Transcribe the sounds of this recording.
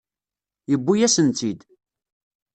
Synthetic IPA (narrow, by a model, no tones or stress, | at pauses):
jəbːujæsənt̪id̪